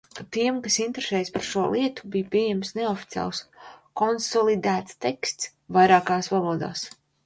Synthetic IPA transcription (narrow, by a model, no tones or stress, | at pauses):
t̪iɛmkasint̪eɾesɛːjspaɾʃuɔlʔiɛt̪u̥bijpʲiɛjɛmsneɔfi̥t̪ija̰ːlˠskɔnsɔlˠid̪æːt̪st̪ekst̪s | vajɾaːkaːsvalˠuɔd̪a̰ːs